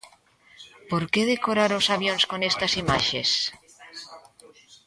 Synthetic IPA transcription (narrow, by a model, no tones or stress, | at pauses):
poɾkeðekoɾaɾosaβjonskonest̪asimaʃḛs